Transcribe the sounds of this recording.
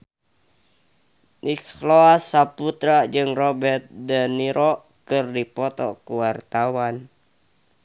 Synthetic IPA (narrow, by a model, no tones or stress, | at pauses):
nʔikloasaput̪ɾad͡ʒɨŋrɔbɛrt̪̚dəniɾɔ | kɨrdipɔt̪ɔ̰kuwart̪awan